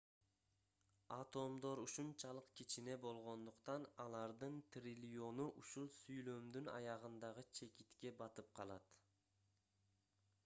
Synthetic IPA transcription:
ɑt̪o̞md̪o̞ɾuʃunt͡ʃɑlˠɯqkit͡ʃine̞bo̞lˠʁo̞nd̪uqt̪ɑnɑlˠɑɾd̪ɯnt̪rʲilʲjo̞nuʔuʃulˠsyjlø̞md̪ynɑ̰jɑʁɯnd̪ɑʁɯt͡ʃʰe̞kit̪ke̞bɑt̪ɯp̚qʰɑlˠɑt̪

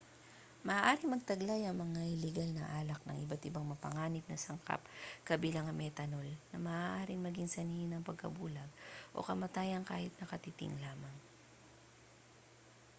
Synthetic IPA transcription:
mɐʔaːʔaːɾɪŋmɐɡ̚t̪ɐɡlajɐŋmɐŋaʔɪlɛɡalnɐ̰ʔaːlɐk̚nɐ̰ŋʔɪbat̪ɪbaŋmɐpɐŋaːnɪp̚nɐsɐŋka̰p̚kɐbiːlɐŋɐmʔɛt̪ɐnolnɐmɐʔaːʔaːɾɪŋmɐɡiŋsɐniːhɪnɐŋpɐɡ̚kɐ̰buːlɐɡ̚ʔo̞̰kɐmɐt̪aːjɐŋkaːhɪt̪̚nɐkɐt̪it̪ɪ̰ŋlaːmɐŋ

